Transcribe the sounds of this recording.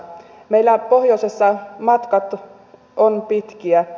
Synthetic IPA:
meilːæpohjoisesːɑmɑt̪kɑt̪ | onpit̪kiæ

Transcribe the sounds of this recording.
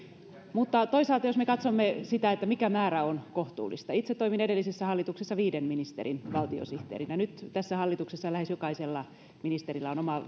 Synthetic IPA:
mut̪ːɑt̪oisɑlt̪ɑjosmekɑt̪somːesit̪æet̪ːæmikæmæːɾæonkoht̪ṵːlːḭst̪ɑit̪set̪ːoiminedelːisesːæhɑlːit̪uksesːɑʋiːdemminist̪ḛɾinʋɑlt̪io̰siht̪ḛːrinænyt̪t̪æsːæhɑlːit̪uksesːɑlæhesjokɑiselːɑ | minist̪eɾilːæonomɑ

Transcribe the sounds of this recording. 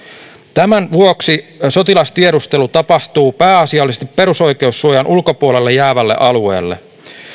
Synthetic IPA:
t̪æmænʋuoksiso̞t̪ilɑst̪ie̞ɾust̪e̞lut̪ɑpɑht̪uːpæːɑsiɑˑlːisest̪i̥pːe̞ɾuso̞jk̟e̞usːuojɑnʔulko̞puole̞lːejæːʋælːe̞̰ʔɑlue̞̰ːlːe̞̰

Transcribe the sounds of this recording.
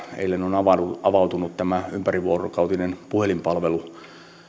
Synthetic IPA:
ḛilːenonɑʋɑuɑʋɑwt̪unut̪t̪æmæympæriʋuorokɑut̪inenpuhelimpɑlʋelu

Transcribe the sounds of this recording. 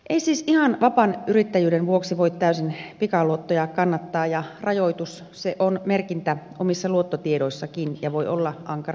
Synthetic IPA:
ʔeisiːsihɑnʋɑpɑnyrit̪ːæjyːdenʋuoksiʋoit̪t̪æysinpikɑluot̪ːojɑkɑnːɑt̪ːɑːjɑrɑjoit̪us | seʔonmerkint̪æomisːɑluot̪ːot̪iedoisːɑkinjɑʋoiʔolːɑʔɑŋkɑr

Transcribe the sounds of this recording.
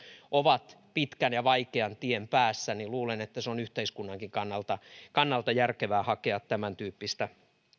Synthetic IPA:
ʔoʋɑt̪ | pit̪kænjɑʋɑikeɑnt̪iempæːsːæniluːlenet̪ːæseonyht̪eiskunːɑŋkiŋkɑnːɑlt̪ɑkɑnːɑlt̪ɑjærkeʋæːhɑkeɑt̪tæmænt̪yːpːist̪æ

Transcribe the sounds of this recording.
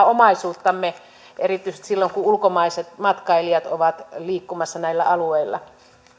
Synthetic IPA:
omɑisuːt̪ːɑmːe | ʔerit̪ːˑyisĕ̥st̪silːoŋkuulkomɑiset̪mɑt̪kɑiliɑt̪oʋɑt̪liːkːumɑsːɑnæilːæ̰ɑlueilːˑɑ̰

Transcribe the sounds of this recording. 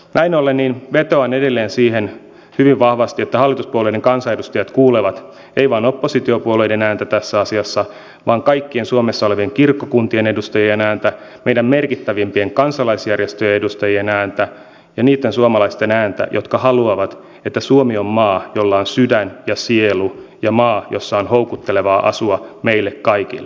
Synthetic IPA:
næinolːenːinʋet̪oɑnedelːeːnsiːhen | hyʋiʋʋɑhʋɑst̪iet̪ːæhɑlːit̪uspuoloideŋkɑnsɑedust̪ɑjɑt̪kuːleʋɑt̪ | eiʋɑinopːosit̪iopuolo̞idenæːnt̪æt̪æsːæɑsiɑsːɑ | ʋɑːŋkɑikːiensuomesːɑoleʋieŋkirkːokunt̪ienedust̪ɑjienæːnt̪æ | meidæmmerkit̪ːæʋimpieŋkɑnsɑlɑisjærjest̪øjeedust̪ɑjienæːnt̪æ | jɑniːt̪ːensuomɑlɑist̪enæːnt̪æ̰jʔot̪kɑhɑluɑʋɑt̪ | et̪ːæsuomiomːɑːjolːɑonsydænjɑsielujɑmɑːjosːɑonhowkut̪ːeleʋɑːʔɑ̰suɑmeilːekkɑikḭlːe

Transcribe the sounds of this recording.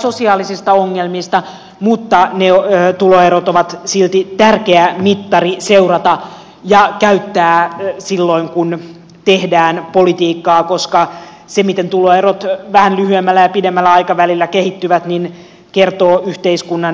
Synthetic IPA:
so̞siɑːlisist̪ɑoŋːelmist̪ɑ | mut̪ːɑnet̪uloeɾot̪oʋɑt̪silt̪it̪ærkeæmit̪ːɑriseurɑt̪ɑ | jɑkæyt̪ːæːsilːoiŋkun | t̪ehdæːnpolit̪iːkːɑːkoskɑ | semit̪ent̪uloerot̪ʋæhænlyhyemːælːæjɑpidemːælːæɑikɑʋælilːækehit̪ːyʋæt̪nin | kert̪oːʔyht̪eiskunːɑn

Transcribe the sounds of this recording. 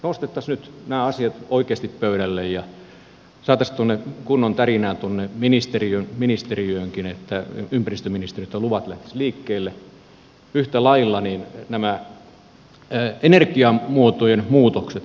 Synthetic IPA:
nost̪et̪ːɑsnyt̪næːɑsiɑt̪oikeːˑst̪ippøyɾælːejjɑ | sɑːt̪ɑst̪uonːekunːont̪ærinæːnt̪uonːeminist̪eriønminist̪eriøːŋkinet̪ːæympærist̪øminist̪eriøt̪jɑluʋɑt̪læht̪æ̥sliːkːeːlːe | yht̪ælɑilːɑniːnnæmæ | enerkiɑmuot̪ojenmuːt̪okset̪

